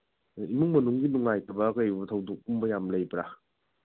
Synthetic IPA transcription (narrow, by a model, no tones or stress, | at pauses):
imɯŋmɐnuŋɡinuŋajtɐbɐkajbutʰɐwdok̚umbɐjamlɐjbɾa